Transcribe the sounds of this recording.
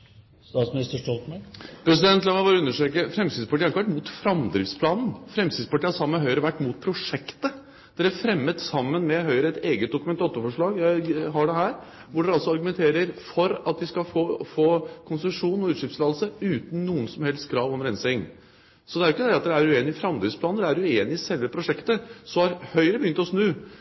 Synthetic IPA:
st̪ɑːt̪smɪnɪst̪əʂʈɔlt̪mɛpʰɾɛsɪd̪ɛnt̪lɑŋɑʋɑːɾəʉnːəʂʈøːkəfɾɛmsɪd̪spɑʈiːɑɾɪkːəʋæʈːmut̪fɾɑmd̪ɾɪfspʰlɑːnn̩fɾɛmsɪd̪spɑʈʰiːhɑsɑmːəɦœʏɾəʋæʈːmʊːt̪̚pʰɾʊʂɛkt̪ə | d̪̥ɛɾæfɾɛmːət̪sɑmːənmɛɦœʏɾəɛt̪eːɡət̪̚d̪ʊkʉmɛnt̪ɑt̪ːɔfɔʂɭɑːɡjæɪɦɑɖɛɦæːɾ | ʋʊɖɛɑlsɔɑɾɡʉmɛnt̪ʰeːɾəɾfɔɾɑt̪̚d̪ɪskɑfoːfoːkʰʊnsəʂuːnɔʉːt̪ʂʏpslɑːd̪lsəʉːt̪n̩ːuːənsɔmhɛlst̪kʰɾɑːʋɔmɾɛnsɛɪŋ | sɔd̪ɛæɾɪkːəd̪ɛɑt̪̚d̪ɛæɾʉeːnɪfɾɑmd̪ɾɪfspʰlɑːnəd̪ɛæɾʉeːnɪsɛlʋəpʰɾʊʂɛkt̪əsɔhɑɾhœʏɾəbəjʏnt̪ɔsnʉː

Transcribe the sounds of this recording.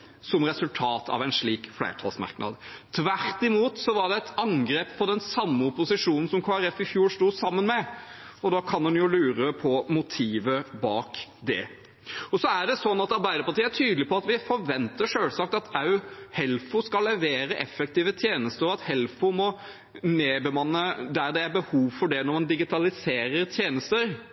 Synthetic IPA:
sɔmɾɛsʉlt̪ʰɑːt̪ʰɑ̰ʋæɪnʂɭiːkflæ̰ɪʈʰɑ̰lsmɑ̰ɾknɑ̰d̪t̪ʰʋæɾt̪ɪmuːt̪sɔʋɑɖɛɛt̪ɑŋɡɾeːpfɔd̪ɛnsɑmːəʊpʊsɪʂuːnn̩sɔmkʰoːæɾɛfɪfjuːɾst̪uːsɑmːənmɛɔd̪ɑkʰɑnhʉnjʊlʉːɾəpʰɔmʊt̪ʰiːʋəbɑːk | d̪ɛ̰ | ɔsɔæɖɛsɔnːɑt̪ɑɾbæɪd̪əɾpɑʈiːəæʈʰyːd̪əlɪpʰɔɑt̪ʋɪfɔɾʋɛnt̪əʂøːlsɑk̚t̪ɑt̪ɑʉhɛlfʊskɑlːɛʋeːɾəʔɛfːɛk̚t̪iːʋət̪ʰjeːnəst̪əɾɔɑt̪hɛlfʊmɔ | neːbəmɑnːəd̪æɾd̪ɛæɾbəhuːʋfɔɖɛnɔɾmɑnd̪ɪɡɪt̪ʰɑlɪseːɾəɾt̪ʰjeːnəst̪əɾ

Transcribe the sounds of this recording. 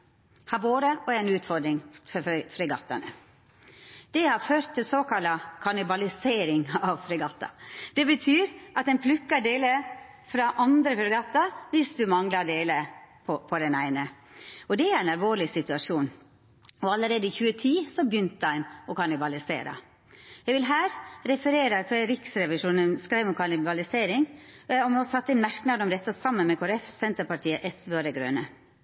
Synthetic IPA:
hɑboːd̪əʔɔæɪnʉːt̪fɔɾɖ̪ɾɪŋfɔfɾɪɡɑt̪ːɑnə | d̪̥ɛhɑɾføːɾt̪ʰːɪlsoːkɑlɑkʰɑnɪbɑlɪseːɾɪŋɑʋfɾɪɡɑt̪ːɑ̰d̪̥ɛbət̪ʰyːɾʔɑt̪̚d̪ɛnpʰlʉkːəɖeːlə | fɾɑʔɑnd̪ɾəfɾɪɡɑt̪ːɑʋɪsd̪ʉmɑŋlɑɖeːləpʰɔpʰɔd̪ɛnæɪnə | ɔd̪ɛæɾæɪnɑlʋoːɾlɪsɪt̪ʉɑʂuːn | ɔɑlːəɾeːd̪əɪçʉːət̪ʰiːsɔbjʏnt̪æɪmɔkʰɑnɪbɑlɪsḛːɾə̰ | jɛʋɪlɦæːɾɾɛfəɾeːɾəkʰʋɛɾɪksɾɛʋɪʂuːnənskɾæɪmɔmkʰɑnɪbɑlɪseːɾɪŋɔmɔsɑt̪ːəɪnmæɾknɑd̪ɔmd̪ɛt̪ːɑsɑmːənmɛkʰʊɾɛfsɛnt̪əɾpɑʈʰiːəʔɛsʋøːd̪ɛɡɾø̰ːnə

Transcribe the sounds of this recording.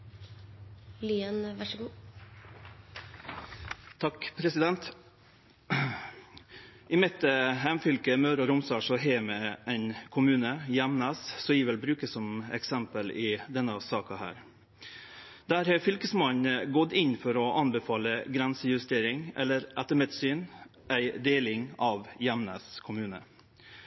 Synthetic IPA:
lyːənʋæʂəɡuː | t̪ʰɑkpʰɾɛsɪd̪ɛnt̪ | ʔɪmɪt̪ːəɦɛmfʏlkəmœːɾɔɾʊmsɑːʂɔɦeːmɛɛɪnkʰʊmʉːnəjæmnɑssɔiʋɛlbɾʉːkəsɔmɛ̰ksæmpəlɪd̪ɛnːɑsɑːkɑhæ̰ːɾ | d̪̥æːɾhɛfʏlkəsmɑnəɡɔt̪ːɪnfɔɾɔʔɑnbɛfɑːləɡɾɛnsəjʉst̪eːɾɪŋɛ̰lːəɾʔæt̪əmɛt̪syːnʔæɪd̪eːlɪŋɑʋjɛmnə̰skʰʊmʉːnə̰

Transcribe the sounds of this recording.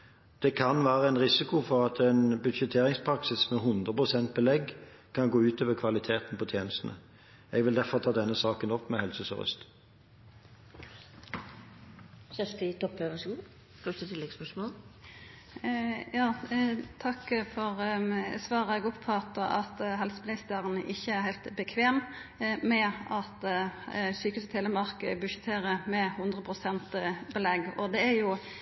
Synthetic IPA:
d̪̥ɛkʰɑnʋæːʁəɛɪnʁɪsɪkʊfɔʁɑt̪ʰɛɪnbʉd̪ʂət̪ʰeːʁɪŋspʰɾɑksɪsmɛɦʊnd̪ʁəpʁʊsɛnt̪̚bɛlɛɡ | kʰɑnɡoːʉːt̪oːʋəkʰʋɑlɪt̪ʰeːt̪n̩pɔt̪ʰjeːnəst̪nə̰ | ɛɡʋɪld̪æʁfɔʁt̪ʰɑːd̪ɛnːəsɑːkənɔpːmɛhɛlsəsɔ̰ʁʏ̰st̪ | çɛst̪ɪt̪ʰɔpːøːʋəskuː | fœʂtət̪ʰɪlːɛɡspœʂmoːl | jɑːt̪ʰɑkːfɔʁsʋɑːʁəɛɡɔpʰpʰɔɑt̪ːʔɑt̪ɦɛlsəmɪnɪst̪əʁənəʔɪçːəæɾhæɪt̪bəkʰʋeːm | mɛɑt̪ | syːkʉːsət̪heːləmɑʁkəbʉʃət̪ʰeːɾəmɛhʊnd̪ʁəpʰʁʊsɛnt̪bəlɛɡɔd̪ɛæɾjʊ

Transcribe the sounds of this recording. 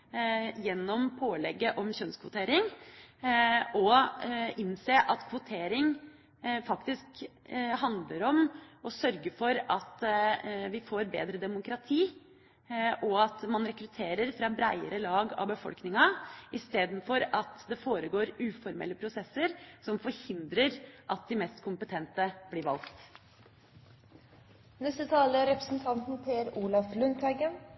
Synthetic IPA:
jɛnːɔmpʰoːlɛɡːəʔɔmçœnskʰʋʊt̪ʰeːɾɪŋ | ɔ | ɪnseːʔɑt̪kʰʋʊt̪ʰeːɾɪŋ | fɑkt̪ɪsk | ɦɑnd̪ləɾɔmɔsœɾɡəfɔɾɑt̪ | ʋɪfoːɾbḛːd̪ɾəd̪ɛmʊkɾɑt̪ʰiː | ʔɔɑt̪mɑnɾɛkɾʉt̪ʰeːɾəɾfɾɑbɾæɪəɾəlɑːɡɑ̰ʋbəfɔ̰lknɪŋɑɪst̪eːd̪n̩fɔɾɑt̪d̪ɛfoːɾəɡoːɾʉːfɔɾmɛ̰lːəpʰɾʊsɛsːəɾsɔmfɔɾhɪnd̪ɾəɾʔɑt̪̚d̪ɪmɛːst̪kʰʊmpət̪ʰɛnt̪əb̥liːɾʋɑ̰lkt̪ | nɛst̪ət̪ʰɑːləɾɛpɾəsn̩t̪ʰɑnt̪n̩pʰeːæɾuːlɑflʉnt̪ʰæɪɡən

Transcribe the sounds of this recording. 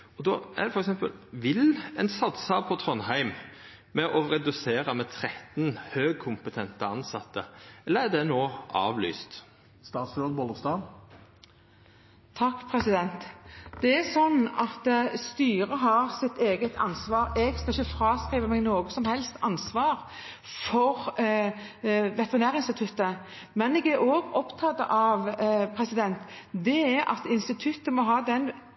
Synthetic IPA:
ɔd̪oːʔæ̰d̪fɔɾɛksɛmpə̰lʋɪlɛnsɑt̪sɑpʰɔt̪ʰɾɔnɦæɪm | mɛʔɔɾɛd̪ʉseːɾɑmɛt̪ʰɾɛt̪nhøːɡ̚kʰʊmpət̪ʰɛnt̪əɑnsɑt̪ːəɛlːəɾæd̪ɛnoːʔɑ̰ːʋly̰ːst̪ | st̪ɑːt̪sɾøːd̪bɔləst̪ɑːn | t̪ʰɑkːpʰɾɛsɪd̪ɛnt̪d̪ɛæsɔnːɑt̪st̪yːɾəɦɑɾsɪt̪eːɡət̪ʰɑ̰nsʋɑːɾɛɡskɑlɪçəfɾɑːskʁiːʋəmɛːɡnoːɡəsɔmhɛlst̪ɑnsʋɑːʁ | fɔʁ | ʋɛt̪əʁɪnæːɾʁɪnst̪ɪt̪ʰʉt̪ːə | mɛnɛɡæɾoːɡɔpt̪ʰɑt̪ːə̰ʔɑʋpʰɾɛsɪd̪ɛnt̪d̪ɛæɾɑ̰t̪ɪnst̪ɪt̪ʰʉt̪ːəmɔɦɑːd̪ɛn

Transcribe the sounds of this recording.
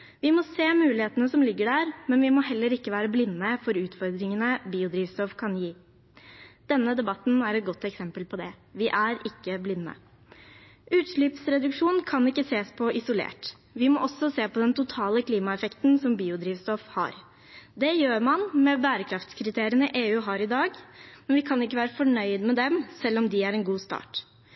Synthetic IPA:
ʋɪmɔseːmʉːlɪheːt̪ənəsɔmlɪɡːəɖæːɾmɛnʋɪmɔɦɛlːəɾɪkːəʋæːɾəblɪnːəfɔɾʉːt̪fɔɾd̪ɾɪŋənəbiːʊd̪ɾiːʋst̪ɔfkʰɑnjiː | d̪̥ɛnːəd̪ɛbɑt̪n̩æɾɛt̪̚ɡɔt̪ːɛksɛmpəlpʰɔd̪ɛʋɪʔæɾɪkːəblɪnːə̰ | ʔʉːt̪ʂɭʏːpsɾɛd̪ʉkʂuːnkʰɑnɪkːəseːspʰɔʔɪsʊlḛːʈ | ʋɪmɔʔɔsːɔseːpʰɔd̪ɛnt̪ʊt̪ʰɑːləkʰliːmɑɛfɛkt̪nsɔmbiːʊd̪ɾiːʋst̪ɔfhɑ̰ɾ | d̪ɛjøːɾmɑnmɛbæːɾəkʰɾɑft̪skʰɾɪt̪ʰeːɾɪənɪʔeːʉːɦɑɾɪd̪ɑːɡmɛnʋɪkʰɑnɪkːəʋæːɾəfɔɳœʏd̪mɛd̪ɛmsɛlːɔmd̪ɪæɾɛnɡuːst̪ɑ̰ːʈ

